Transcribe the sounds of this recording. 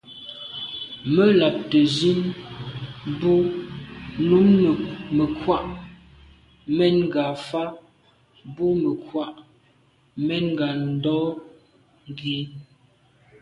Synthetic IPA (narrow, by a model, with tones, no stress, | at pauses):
mə˦la˨p̚tə˨zi˦n | bu˦ | nu˦mnə˨mə˨kwa˦ʔ | mɛ˦nŋ˦ɡa˨fa˦ | bu˦mə˨kwa˦ʔ | mɛ˦nŋɡa˨n̩˦dɔ˦ | ŋ˦ɡi˨˦